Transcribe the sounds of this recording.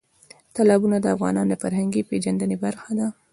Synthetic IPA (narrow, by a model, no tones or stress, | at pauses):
t̪alɑbunad̪əafɣɑ̰nɑnd̪əfaɾɦaŋɡiped͡ʒand̪ənebaɾxad̪a